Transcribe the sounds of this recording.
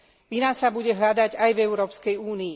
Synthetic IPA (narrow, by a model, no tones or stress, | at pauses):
ʋinasabuɟɛɦʎad̪aɟajvɛʊɾɔːpskɛjuːniː